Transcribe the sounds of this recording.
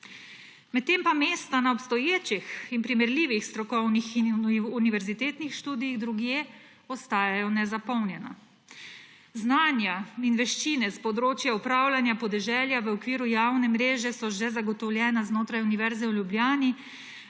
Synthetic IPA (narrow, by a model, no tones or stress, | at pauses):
mɛt̪ːempameːst̪anaɔpst̪ɔjeːt͡ʃixinpɾimɛɾliːʋixst̪ɾɔkɔwnixiuniʋɛɾzit̪eːt̪nixʃt̪uːd̪ijiɣd̪ɾuɡjeː | ɔst̪aːjajɔnɛzapɔwnjɛna̰ | znaːnjainʋɛʃt͡ʃinɛspɔd̪ɾoːt͡ʃjaupɾaːwlanjapɔd̪ɛʒɛljaʋəɔkʋiːɾujaːwnɛmɾeːʒɛsɔʒɛzaɡɔt̪ɔwlʲjɛːnaznoːt̪ɾajuniʋɛɾzɛwlʲjublʲjaːni